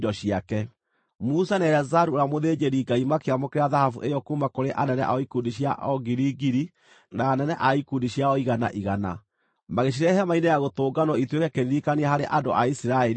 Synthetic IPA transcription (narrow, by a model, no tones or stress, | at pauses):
dɔɕiakɛ | musanɛɾazaɾuoɾamoðeːd͡ʑeɾiɡaimakeamokeɾaðahafṵʔejɔkumakoɾeʔanɛnɛʔa̰ɔikuːndiɕja̰ʔɔɡiɾiɡiɾi | naːnɛnɛʔaikundiɕjaɔiɣana̰ʔiɣana̰ | maɣeɕ̬iɾɛhɛmainejaɣotoːɡanɔitwekɛkeðiikaneahaɾeʔando̰ʔaisiɾaɛɾi